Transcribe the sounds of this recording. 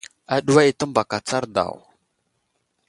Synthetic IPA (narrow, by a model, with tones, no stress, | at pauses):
a˨ɗu˦wa˦i˨tə˦mba˨ka˨t͡sa˦ɾda̰˨w